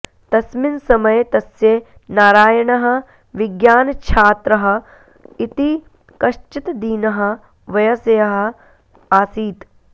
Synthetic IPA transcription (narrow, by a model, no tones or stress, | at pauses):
t̪ɐsminsɐmɐjt̪ɐsjeː | naːɾaːjɐɳɐɦɐ̆ | ʋiɡjaːnɐt͡ʃʰaːt̪ɾɐɦɐ̆ | it̪i | kɐʃt͡ʃit̪d̪iːnɐɦɐ̆ | ʋɐjɐsɐjɐɦɐ̆ | aːsiːt̪